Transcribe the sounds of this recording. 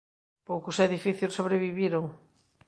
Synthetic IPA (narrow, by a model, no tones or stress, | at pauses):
powkʊsɛðifiθjosoβɾeβiβiɾoŋ